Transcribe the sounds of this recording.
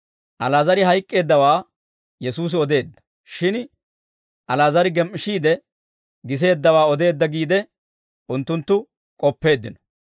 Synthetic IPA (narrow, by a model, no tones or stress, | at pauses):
ʔɐlaːzɐɾɪɦɐjkʼːe̞ːd̪ːɐwaː | jɛsuːs̬ɪɔd̪e̞ːd̪ːɐ̥ | ʃɪn | ʔɐlaːzɐɾɪɡɛmʔɪʃiːd̪ɛ | ɡɪs̬e̞ːd̪ːɐwaːɔd̪e̞ːd̪ːɐɡiːd̪ɛ | ʔʊnt̪ːʊnt̪ːʊ | kʼɔpːe̞ːd̪ːɪnɔ̥